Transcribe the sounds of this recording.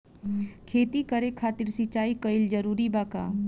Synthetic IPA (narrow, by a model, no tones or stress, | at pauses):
kʰeːt̪ikəɾekʰaːt̪ɪɾsɪt͡ʃaːikəɪld͡ʒəɾuːɾibaːka̰ː